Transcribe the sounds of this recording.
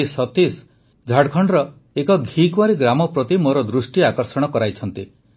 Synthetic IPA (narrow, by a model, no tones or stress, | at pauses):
isɔt̪is | d͡ʒʱaɽkʰɔɳɖɾɔ | ekɔɡʱikwaɾiɡɾamɔpɾɔt̪imoɾɔd̪ɾusʈiakɔɾsɔɽ̃ɔkɔɾajt͡ʃʰɔnt̪i